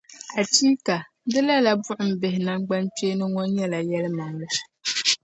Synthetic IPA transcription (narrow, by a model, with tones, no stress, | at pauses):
a˨ti˦ka˨ | dɨ˦la˦la˨bʊ˦ʔʊ˨m̩˨bɪ˨hɪ˨na˦ŋɡ͡ba˦nt͡ʃe˦nɨ˦ŋɔ˦njɛ˦la˨jɛ˦lɨ˦ma˨ŋlɨ˦˨